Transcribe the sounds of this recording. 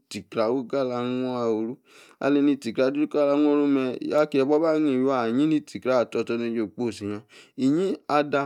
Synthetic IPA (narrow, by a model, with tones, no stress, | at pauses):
ti˨kɾa˨wu˦ɡa˦˨la˧nɔ˦a˧o˨ɾu˦ | a̰˧li˧nĩ˧ti˨kɾa˨du˦u˦ka˦la˧˦n˦o˦ɾo˦mɛ̰˧˨ja˦ki˧ɛ˧bɔ˦ba˦nĩ˧˨ju˦a˨ɲĩ˦nĩ˧ti˨kɾa˨˦˨tɔ˧tɔ˧˦nĩ˧d͡ʒo˨k͡po˦˨si˨ɲã˧i˨ɲĩ˦a˧da˧